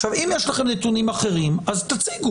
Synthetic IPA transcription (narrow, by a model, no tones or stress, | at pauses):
ʃavimjeʃlaχe̞mnet̪unimaχe̞ʁimazt̪at͡siɡu